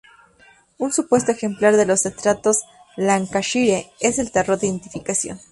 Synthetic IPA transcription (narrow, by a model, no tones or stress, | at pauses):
unsupwe̞s̬t̪oexe̞mplaɾðe̞lo̞sest̪ɾat̪o̞z | laŋkaʃiɾeese̞lt̪ero̞ɾðeðent̪ifikasjo̞̰n